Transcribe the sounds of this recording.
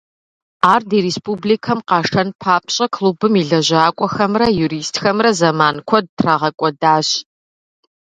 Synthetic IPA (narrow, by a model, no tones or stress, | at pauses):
aːrdiːɾeːspʼublikʰɐmqɑːʂʰɐnpʰaːpʰɕʼɐkʰlubɨmiːɮɐʑaːkʷʼɔxɐmrɐjuɾiːstxɐmrɐzɐmaːnkʷʰɔd̚tʰrɐʁɐkʷʼɔdaːɕ